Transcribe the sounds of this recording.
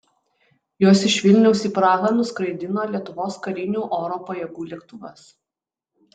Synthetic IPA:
joɔːsɪʃʲʋʲɪlʲnʲɛʊsiːˑpɾɑːɣɑnʊskɾɐɪd̪ʲɪnoːlʲiɛt̪ʊʋoːskɐɾʲɪnʲuːʔoːɾoːpɐjɛɡuːlʲiɛkt̪ʊʋɐs

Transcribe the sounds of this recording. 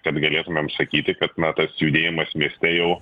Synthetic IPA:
kɐt̪ɡɐlʲeːt̪ʊmʲɛmsɐkʲiːt̪ʲɪkɐt̪nɐt̪ɐsjud̪ʲeːjɪmɐsmʲiɛsʲt̪ʲɛjɛʊ

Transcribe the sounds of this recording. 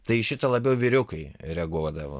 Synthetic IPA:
t̪ɐɪʃʲɪt̪ɐlˠɐbʲɛʊʋʲɪɾʲʊkɐɪɾʲɛɡuːd̪ɐʋo̰

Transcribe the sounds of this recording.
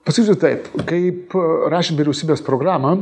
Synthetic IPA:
pɐsɐkʲiːsʲʊt̪ɐɪpkɐɪpɾɑːʃʲɪnt̪ʋʲiɾʲɛʊsʲiːbʲeːspɾoːɡɾɑːmɐ

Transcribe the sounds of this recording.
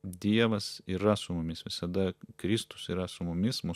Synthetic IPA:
d̪ʲiɛʋɐsiːɾɐsʊmʊmʲɪsʋʲɪsɐd̪ɐkɾʲɪst̪ʊ̥siːɾɐsʊmʊmʲɪsmʊ

